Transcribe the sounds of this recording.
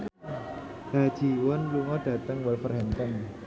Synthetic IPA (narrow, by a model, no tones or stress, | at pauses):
hḁd͡ʒ̥i̤wənluŋɔɖ̥a̤t̪əŋwɛlfərɦɛnt̪ən